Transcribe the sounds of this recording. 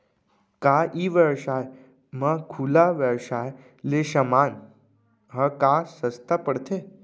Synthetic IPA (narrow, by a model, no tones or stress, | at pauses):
kaʔiːʋəwʃaj | makʰulaʋəwʃaj | leʃəmaːn | ɦəkasəst̪apəɽt̪ʰe